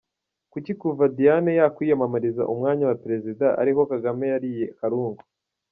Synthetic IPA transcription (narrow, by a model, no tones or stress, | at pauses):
kucikuvadijanejakwijamamaɾiza̰ʔumŋaːɲawapeɾe̞zidaʔa̰ɾiko̞kaɡame̞jaɾijekaɾuːŋɡu